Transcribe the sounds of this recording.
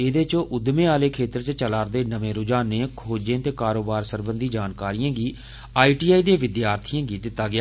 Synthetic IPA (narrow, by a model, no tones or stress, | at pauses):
eːd̪eːt͡ʃõːʔʊd̪mẽːaːleːkʰeːt̪əɾt͡ʃt͡ʃəlaːɾd̪eːnəʋẽːɾʊd͡ʒaːnẽːkʰoːd͡ʒẽːt̪eːkaːɾoːbaːɾsəɾbənd̪ʱiːd͡ʒaːnkaːɾijãːɡiː | aːiːʈiːaːiːd̪eːʋɪd̪jaːɾt̪ʰɪjãːɡiːd̪ɪt̪ːaːɡɪaː